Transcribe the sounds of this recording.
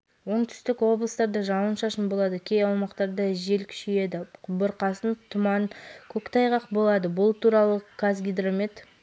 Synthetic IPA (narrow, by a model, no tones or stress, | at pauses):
wo̞ɴt̪ʰʏ̥st̪ɪkwo̞blˠəst̪ɑɾd̪əʒɑwənʃɑʃənbo̞lˠɑd̪əkʲʰejɑwmɑqt̪ɑɾd̪əʒe̞lkʲʰʏ̥ʃeje̞d̪ɪbəɾqɑsənt̪ʰʊmɑnkʲʰɵkt̪ʰɑjʁɑqbo̞lˠɑd̪əbʊlˠt̪ʰuɾɑlˠəkʰazɡʲijd̪ɾomet̪